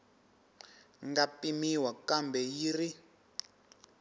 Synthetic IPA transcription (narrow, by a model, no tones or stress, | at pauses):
ŋɡapimiwakambɛjiri